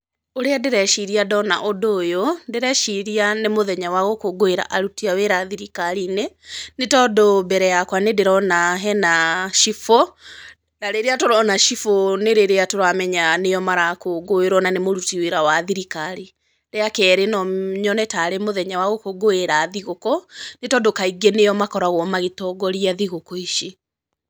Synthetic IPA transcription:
oɾeadeɾɛʃiɾiadɔna̰ʔodoːjondeɾɛʃiɾianemoðɛɲawaɣokoɡoeɾa̰ʔaɾutiaweɾaðiɾikaɾinenetɔdobɛɾɛjakwanedeɾɔnaɦɛnaʃifo | daɾeɾeatoɾɔnaʃifoneɾeɾeatoɾamɛɲanejɔmaɾakoɡoeɾwɔnanemoɾutiweɾawaðiɾikaɾi | ɾeakɛɾenɔɲɔnɛtaːɾemoðɛɲawaɣokoɡoeɾaːðiɣokɔnetɔdokaiɡenejɔmakɔɾaɣwɔmaɣetɔɡɔɾiaðiɣokɔiʃe

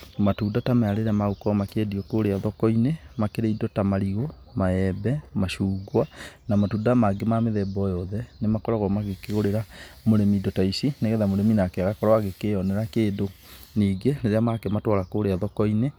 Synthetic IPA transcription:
matuːdatamaaɾeɾɛmaukɔmakediɔkoɾeaðɔkɔinemakeɾeidɔtamaɾiɣo | maɛbɛmaʃuːɡwanamatudamaɡemameðɛbɔjɔðɛnemakɔɾɔɣɔmaɣekeɣoɾeɾamoɾemidɔtaisineɣɛðamoɾeminakeaɣakɔɾɔaɣekeɔnɛɾakeːdo | niːɡeneɾeamakɛmatwaɾakoɾeaðɔkɔine

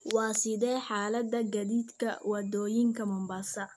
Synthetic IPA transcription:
wɑːsɪðɛːħaːlɐd̪ɐɡɐðiːd̪kʰɐ̰wɑd̪ɔːjɪŋkʰɐmʊmbɐsɐ

